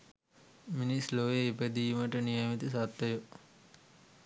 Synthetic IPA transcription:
minisloʋeipəd̪ijməʈənijamit̪isat̪ːɐju

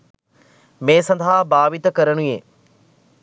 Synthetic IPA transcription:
mẽːsɐ̃nd̪ʱaːbaːʋit̪əkɐɾəɽ̃ueː

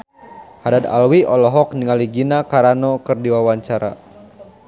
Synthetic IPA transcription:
hadad̪a̰lwiɔlɔɦɔk̚niŋaliɡinakaɾanɔkɨrdiwawaɲt͡ʃaɾa̰

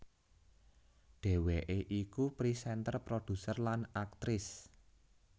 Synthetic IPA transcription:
ɖ̥e̤weʔeʔikupɾisɛnt̪ərpɾod̪̥ṳsərlanak̚t̪ɾɪs

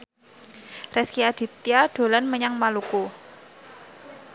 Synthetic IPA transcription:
rɛskiad̪̥i̤t̪iaɖ̥o̤lanməɲaŋmaluku

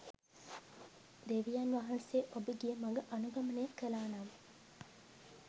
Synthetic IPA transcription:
d̪eʋijanʋaːɦɐnseːʔobiɡijɐmɐŋɡɐʔɐnuɡɐmɐneːkəlaːnaːmɐ

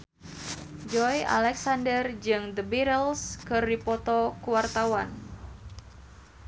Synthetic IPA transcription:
d͡ʒɔja̰lɛksandərd͡ʒɨŋd̪əbiɾəlskɨrdipɔt̪ɔkuwart̪awan

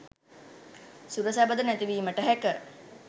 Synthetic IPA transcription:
suɾəsæbəd̪ənæt̪iʋiːməʈəɦækə

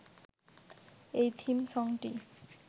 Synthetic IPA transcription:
ejt̪ʰimsɔŋʈi

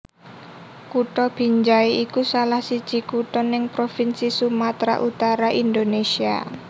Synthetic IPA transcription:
kuʈɔb̥i̤ɲd͡ʒaiʔikusalahsid̥ʒ̥i̤kuʈɔnɪŋpɾofinsisumat̪ɾa̰ʔut̪aɾaʔind̪onesia̰

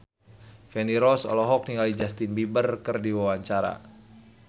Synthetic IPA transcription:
fɛniɾɔsɔ̰lɔɦɔk̚niŋalid͡ʒast̪inbibərkərdiwawaɲt͡ʃaɾa̰

